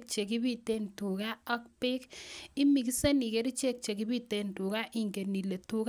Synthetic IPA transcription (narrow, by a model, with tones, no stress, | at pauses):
k̚t͡ʃe˨kɪ˦bi˦te˦ntu˨ka˦ɔ˦k̚pɪ˦kɪ˦mi˨k̬i˦se˦ni˨ke˦ɾi˦t͡ʃe˦k̚t͡ʃe˨ki˦bi˦te˦ntu˨ka˦ʔi˦ŋɡe˨ni˨le˨tu˨k